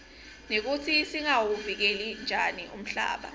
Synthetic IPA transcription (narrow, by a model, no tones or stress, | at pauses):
nek̬ut͡sʰisiŋawuvik̬elind͡ʒʱaniʔum̩ɬa̰ːɓa̰